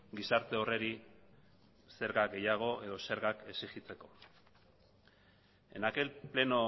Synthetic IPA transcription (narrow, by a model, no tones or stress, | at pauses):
ɡisaɾt̪e̞o̞re̞ɾi | se̞ɾɣaɡe̞jaɣ̞o̞e̞ðo̞se̞ɾɣake̞sixit͡se̞ko̞̥ | ḛnake̞lple̞no̞